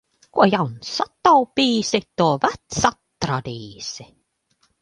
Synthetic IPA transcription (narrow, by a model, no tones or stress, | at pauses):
kojɑwnsɑt̪ːɑwpiːsit̪ovæt̪sɑt̪ːrɑd̪iːsi